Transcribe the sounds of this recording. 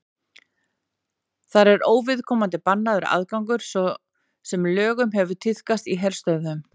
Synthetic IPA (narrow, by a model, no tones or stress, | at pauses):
θaɾɛɾoːwvɪðkʰɔːmant̪ɪpanːaðʏɾa̰ðkawŋkʏɾ̥sɔ | sɛmlœːɣʏmɦɛvʏ̥t̪ʰɪl̥kast̪iɦɛɾ̥st̪œðʏm